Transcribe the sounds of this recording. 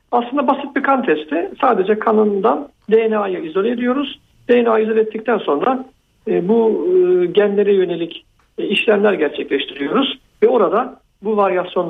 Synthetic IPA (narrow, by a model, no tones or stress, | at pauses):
aslˠɯnd̪abasɯt̪̚bikʰant̪ʰɛst̪ʰɪsaːd̪e̞d͡ʒɛkʰanɯnd̪an | d̪ejenajɯizolʲeed̪ijo̞ɾuz̥ | d̪̥e̞jenaːjizolʲˠɛt̪ːic̚t̪ʰænso̞nɾa | bu | ɟænlʲe̞ɾɛjø̞ne̞lʲic | iʃlʲæmlʲæɾɟæɾt͡ʃʰɛclʲɛʃt̪ʰiɾijo̞ɾuz̥ | vɛo̞ɾad̪a | buvaɾjasjo̞n